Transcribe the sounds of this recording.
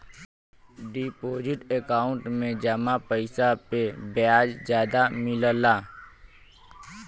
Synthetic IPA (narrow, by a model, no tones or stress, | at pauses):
ɖipoːd͡ʒɪʈekaːʊ̃ɳʈmẽd͡ʒəmapəɪsapebjaːd͡ʒd͡ʒjaːd̪amɪləlaː